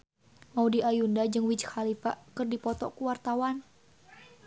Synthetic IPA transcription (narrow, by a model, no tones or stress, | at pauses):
maudiʔajundad͡ʒɨŋwid͡ʒhalifa̰ʔkɨrdipɔt̪ɔ̰kuwart̪awan